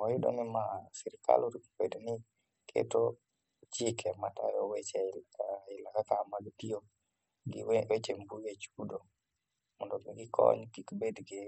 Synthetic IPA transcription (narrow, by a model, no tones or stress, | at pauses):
ɔɪdɔ̰nɪmasiɾɪkʰa̰loɾiko̥bednɪ | kʰḛto | t͡ʃɪkʰɛmata̰jɔwet͡ʃɛɪlakakamaɡitio | ɡ̰wet͡ʃembuwet͡ʃudo | mɔndɔbɛɡɪkʰɔ̰ɲkikbedɡe